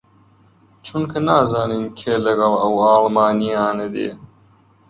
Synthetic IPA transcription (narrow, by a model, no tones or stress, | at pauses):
t͡ʃʰunkʰɐnaːzaːniːnkʰeːlɐɡɐlɐwɑːlˠmaːnijaːnɐd̪ḛː